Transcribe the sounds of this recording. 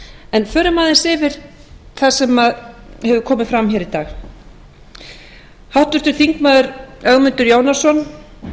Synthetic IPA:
ɛnfœːɾʏmaːðɪnsɪːvɪɾ | θasɛmaðhɛvʏkʰɔːmɪðfɾamhɛːɾit̪aːɣ | hawht̪ʏɾ̥t̪ʏɾ̥θiŋkmaːðʏɾœɣmʏnt̪ʏɾjoːwnasɔn

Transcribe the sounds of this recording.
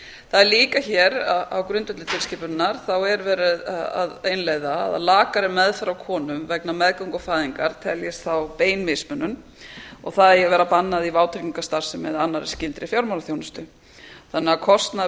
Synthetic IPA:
θaðɛɾliːkaçɛːɾaa̰wkɾʏnt̪ʏt̪lɪt̪ʰɪlscɪːpʏnaɾ̥θawɛɾvɛːɾʏða̰ðenleːjða̰ːða̰laːkaɾɪmɛðfɾawkʰɔːnʏmvɛknamɛðkaŋkɔfaːðiŋkaɾ̥t̪ʰɛljɪst̪θawpeːjnmɪsmœnːʏm | ɔɣθaðɛjɛɣvɛːɾapanːaðivaːwt̪ʰɾiciŋkast̪aɾ̥sɪmɛðanːaɾɪscɪnt̪ɾɪfjawɾmawlaθjoːwnʏst̪ʏ | θanːɛakʰɔst̪na

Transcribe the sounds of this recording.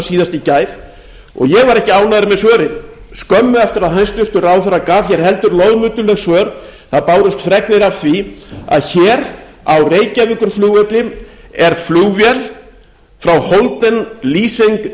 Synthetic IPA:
siːðast̪icaːjɾ | ɔ̰ɣjɛɣvaɾɛhcɪaːwnaðʏɾɪmɛðsvœːɾɪn | skœmːʏɛft̪ɪɾaðhanst̪vʏr̥t̪ʏɾawθɛrːakaːfçɛɾ̥hɛlt̪ʏɾlɔðmʏːt̪ʏlɛɣsvœːɾ | θaðpaːwɾʏst̪fɾɛknɪɾav̥θvia̰ðçɛːɾ | awreːjcavʏkʏɾ̥fluːɣɛt̪lɪɛɾ̥fluːwvjɛl | fɾawhowlt̪ɛnliːsejŋk

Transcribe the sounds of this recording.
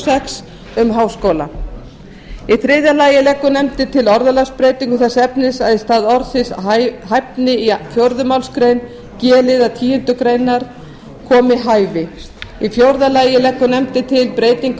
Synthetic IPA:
sɛks | ʏmɦaːwskowla̰ | iθɾɪːðjalaːjɪlɛkːʏnɛmt̪ɪt̪ʰɪlɔɾðalaspɾeːjt̪iŋkʏθɛsːaɛpnɪsaðɪst̪aːðɔɾsɪsaɦajpnɪifjowɾðʏmawlskɾejn | cɛːlɪðat̪ʰiːjʏnt̪ʏkɾeːjnaɾ | kʰɔːmɪɦaːjvɪ | ifjowɾðalaːjɪlɛkːʏnɛmt̪ɪt̪ʰɪlpɾeːjt̪iŋk

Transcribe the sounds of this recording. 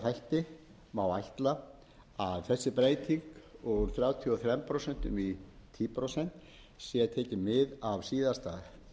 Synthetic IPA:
θajl̥t̪ɪ | mawajht̪la | aðθɛsːɪpɾeːjt̪ʰiŋkɔɣθɾjaːwt̪ʰiɔθɾɛmpʰɾowsɛn̥t̪ʏ̰mit̪ʰiːpʰɾowsɛn̥t̪ | sjɛt̪ʰɛːcɪmːɪðavsiːðast̪a̰ːð

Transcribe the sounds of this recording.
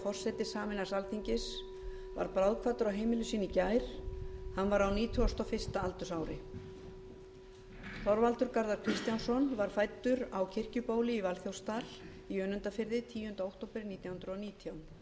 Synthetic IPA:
fɔr̥sɛt̪ɪsaːmɪnḁsalθʰiɲcɪs | va̰ɾpɾawðkʰvaːt̪ʏɾawɦeːjmɪlʏsiːnicajɾ̥hanːvaɾawniːt̪ʰʏast̪ɔfɪst̪aalt̪ʏsaːwɾɪ | θɔɾvalt̪ʏɾkaɾðaɾ̥kʰɾɪst̪jansɔnvaɾ̥fajt̪ːʏɾawcʰɪr̥cʏpoːwlɪivalθjowst̪al | iœːnʏnt̪afɪɾðɪt̪ʰiːjʏhʏnt̪aowht̪owpɪɾniːt̪janhʏnd̪ɾʏɔniːt̪ʰijawn

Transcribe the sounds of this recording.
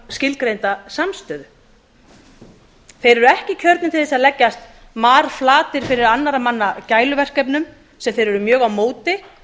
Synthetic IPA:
scɪlkɾejnt̪asamst̪œːðʏ | θejɾɛɾʏɛhcɪcʰœɾt̪nɪmt̪ʰɪlθsalɛcːast̪ | maːɾ̥flaːt̪ɪɾ̥fɪɾɪɾanːaɾamanːacaːjlʏvɛr̥kɛpnʏm | sɛmθejɾʏɾʏmjœːɣawmoːwt̪ɪ

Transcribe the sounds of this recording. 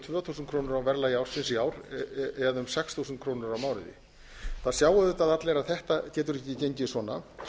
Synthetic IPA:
t̪ʰvʏːɔθuːsnkʰɾoːwnʏɾawvɛɾlajaːwɾ̥sɪnsjaːwɾɛðʏmsɛksθusʏnt̪̚kʰɾoːwnʏɾawmaːwɾɪðɪ̰ | θaðsjaːwaðʏt̪aðat̪leɾaðθɛht̪acɛːt̪ʏɾɛhcɪceɲcɪsvɔːna̰

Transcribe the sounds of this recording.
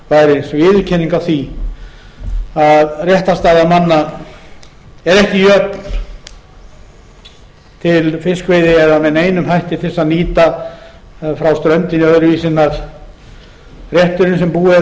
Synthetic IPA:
vajɾɪsvɪːðʏcʰɛniŋkawθi | aðrjɛht̪ast̪aːðamanːa | ɛɾɛhcɪjœpn | t̪ʰɪlfɪskvejðɪɛðamɛðneːjnʏmhajht̪ɪt̪ʰɪsaðniːt̪a | fɾawst̪ɾœɥnt̪ɪnɪœðɾviːsɪnːaɾ̥ | rjɛht̪ʏɾɪnsɛmpuːɪ

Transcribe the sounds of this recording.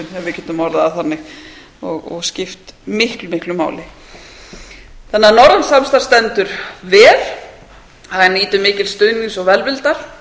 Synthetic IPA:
nɛvvɪɾcɛːt̪ʏmɔɾðaːwθanːɪɣ | ɔɣɔ̰ɣscɪft̪mɪhklʏmɪhklʏma̰ːwlɪ | θɛnːanɔɾansamst̪aɾ̥st̪ɛnt̪ʏɾvɛːl̥ | aaniːt̪ʏmɪːcɪlst̪œɥniŋsɔɣvɛlvɪlt̪aɾ̥

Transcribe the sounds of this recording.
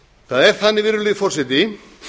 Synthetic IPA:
θaðɛɾ̥θanːɪvɪɾðʏleðfɔr̥sɛt̪ɪ

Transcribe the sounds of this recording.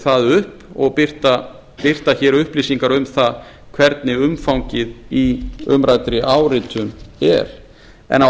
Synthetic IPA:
θaðʏhpɔɣpɪr̥t̪a | pɪr̥t̪açɛːɾʏhpliːsiŋkaɾʏmθa | kʰvɛɾt̪̚nɪʏmfawŋcɪðiʏmɾajt̪ɾɪʔaːwɾɪːt̪ʰʏnɛ̰ɾ̥ | ɛ̰na

